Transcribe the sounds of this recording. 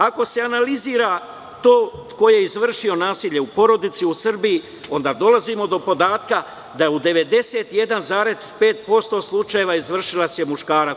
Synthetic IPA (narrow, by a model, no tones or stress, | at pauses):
ako̞se̞analiziːɾa | t̪o̞ːko̞je̞izʋr̩ʃio̞naːsiːʎe̞upo̞ɾo̞d̪it̪siusr̩biji | o̞nd̪aːd̪o̞lazimo̞d̪o̞po̞d̪aːt̪ka | d̪aud̪e̞ʋe̞d̪e̞seːt̪ije̞d̪anzaːɾe̞d̪pe̞ːt̪̚po̞st̪o̞ːslˠut͡ʃaje̞ʋaːizʋr̩ʃilasjemuʃkaːɾa